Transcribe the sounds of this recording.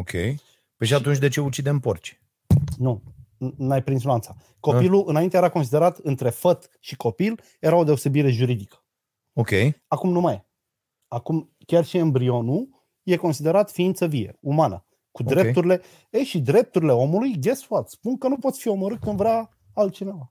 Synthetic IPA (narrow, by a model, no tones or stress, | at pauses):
okʲḛj | peʃiat̪unt͡ʃ̬ʲd̪e̞t͡ʃe̞ut͡ʃid̪e̞mpo̰rt͡ʃ | nu | najpɾinslant̪sa | ko̞piluʔɨnaint̪eeɾakons̬id̪e̞ɾat̪ɨnt̪ɾe̞fət̪ | ʃiko̞pil | jeɾao̞d̪e̞ose̞biɾe̞ʒuɾid̪ikə̥ | okʲejakumnumaj | akum | kʲarʃiɨnbɾio̞nu | je̞ko̞nsid̪e̞ɾat̪fiint̪səvie̞̰umanə̰ | kud̪ɾe̞pp̪uɾile̞ | ejʃid̪ɾe̞p̚t̪uɾile̞o̞mulujɡʲe̞sfuat̪spuŋkənupot̪sʲfio̞moɾɨt̪̚kɨnd̪vɾʲa | alt̪̚t͡ʃine̞va